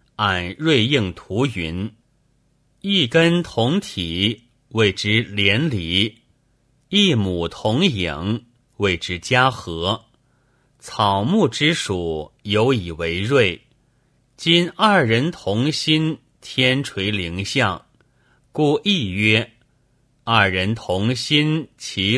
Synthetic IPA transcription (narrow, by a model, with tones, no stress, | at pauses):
a˨˩nɻwe˥˧ɪi˥˩ŋt̪ʰu˧˥y˧˥n | i˥˩kə˥nt̪ʰʊ˧˥ŋt̪ʰi˨˩˦ | we˥˩ɪʈ͡ʂɻ̩˥ljɛ˧˥nli˧˩˥ | i˥˩mu˨˩t̪ʰʊ˧˥ŋjḭ˨˩˦ŋ | we˥˩ɪʈ͡ʂɻ̩˥t͡ɕja˥xɤ˧˥ | t͡sʰɑ˨˩ʊmu˥˩ʈ͡ʂɻ̩˥ʂu˨˩jo˧˥ʊi˨˩we˧˥ɪɻwe˥˩ɪ | t͡ɕi˥nɐ˞˥˩ɻə˧˥nt̪ʰʊ˧˥ŋɕi˥n | t̪ʰjɛ˥nʈ͡ʂʰwe˧˥ɪli˧˥ŋɕjɑ˥˩ŋ | ku˥˧i˥˩ɥɛ˥ | ɐ˞˥˩ɻə˧˥nt̪ʰʊ˧˥ŋɕi˥nt͡ɕʰi˧˥